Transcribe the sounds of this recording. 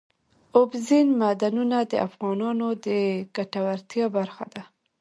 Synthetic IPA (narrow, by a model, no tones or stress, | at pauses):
ʊbzinmad̪anunad̪ə̰ʔafɣɑnɑnod̪əɡ̥aʈawaɾt̪jɑbaɾxad̪a